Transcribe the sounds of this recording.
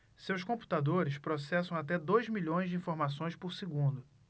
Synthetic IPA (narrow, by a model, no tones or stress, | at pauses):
sewskõmpu̥t̪ad̪oɾɪspɾosɛsɐ̃w̃at̪ɛd̪ojzmiʎõj̃zd͡ʒɪĩfoɾmasõj̃spʊɾsiɡũnd̪ʊ